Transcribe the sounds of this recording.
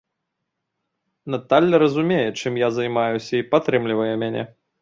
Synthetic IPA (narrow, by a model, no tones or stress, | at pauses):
nat̪alʲːɐɾɐzumʲejɛt͡ʂɨmjazɐjmajusʲɐipat̪ɾɨmlʲivɐjɛmʲanʲɛ̰